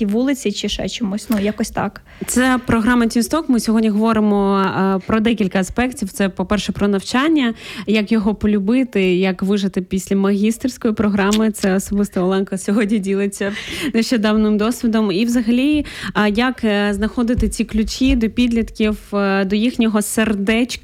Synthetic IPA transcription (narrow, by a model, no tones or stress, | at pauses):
iʋulˠɪt͡sʲit͡ʃɪʃɛ̰t͡ʃɔmusʲnujakɔsʲt̪ɑ̰k | t̪sɛpɾɔɦɾɑmɐtʲinst̪ɔkmɪsʲɔɦɔdʲnʲiɦɔʋɔɾɪmɔpɾɔd̪ɛkʲilʲkɐɐspɛktʲiwt̪sɛpɔpɛrʃɛpɾɔnɐwt͡ʃɑnʲːɐjɐkjɔɦɔpɔlʲʊbɪt̪ɪjɐkʋɪʒɐt̪ɪpʲisʲlʲɐmɐɦʲist̪ɪrʲsʲkɔjipɾɔɦɾɑmɪt̪sɛɔsɔbɪst̪ɐɔlˠɛnkɐsʲɔɦɔdʲnʲidʲilˠɪt͡sʲːɐneʃt͡ʃed̪ɑwnɪmd̪ɔsʲʋʲid̪ɔmiwzɐɦɐlʲijɐkznɐxɔd̪ɪt̪ɪt͡sʲiklʲʊt͡ʃʲid̪ɔpʲid̪ʲlʲit̪kʲiwd̪ɔjixnʲɔɦɔserd̪ɛt͡ʃʲk